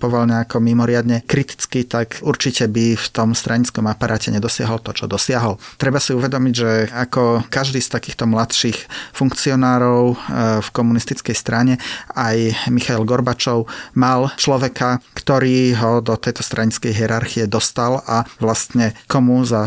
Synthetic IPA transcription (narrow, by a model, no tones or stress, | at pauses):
pɔʋalɲɛakɔmimɔɾɪad̪ɲɛkɾit̪i̥t͡skit̪akuɾt͡ʃicɛbift̪ɔmst̪ɾaɲit͡skɔmapaɾʔaːcɛɲɛd̪ɔsɪaɦɔlt̪ɔt͡ʃɔd̪ɔsɪaɦɔlt̪ɾɛbasiuʋɛd̪ɔmiɟʒɛakɔkaʒd̪iːst̪akiːxt̪ɔmlat̪ʃixfuŋkt͡siɔnaːɾɔʊfkɔmunist̪it͡skɛjst̪ɾaɲɛajmixaɛlɡɔɾbat͡ʃɔʊmalt͡ʃlɔʋɛkakt̪ɔɾiːɦɔd̪ɔt̪ɛjt̪ɔst̪ɾʔaɲit͡skɛjɦiɛɾaɾxiɛd̪ɔst̪alaʋlast̪ɲɛkɔmuza